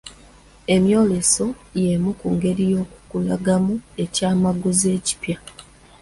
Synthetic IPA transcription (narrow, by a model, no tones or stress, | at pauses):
e̞mjo̞ːle̞so̞je̞mukuŋɡe̞ɾijo̞ːku̥kulaɡamue̞caːmaɡuze̞ːci̥pja